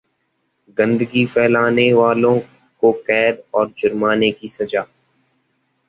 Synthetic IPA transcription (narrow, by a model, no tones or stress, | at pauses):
ɡə̃nd̪əɡipʰɛːlaːneʋaːlõ | kokɛːd̪ɔːɾd͡ʒʊɾmaːnekisɐd͡ʒaː